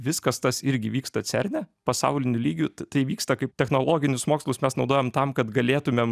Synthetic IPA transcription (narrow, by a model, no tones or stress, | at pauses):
ʋʲɪskɐst̪ɐsɪɾʲɡʲɪʋʲiːkst̪ɐt͡s̪ʲɛɾʲnʲɛpɐsɑ̰ʊlʲɪnʲʊlʲiːɡʲʊt̪ɐɪʋʲiːkst̪ɐkɐɪpt̪ʲɛxnoːlˠoːɡʲɪnʲʊsmoːkslˠʊsmʲɛsnɒʊd̪oːjɛmt̪ɐmkɐt̪ɡɐlʲeːt̪ʊmʲem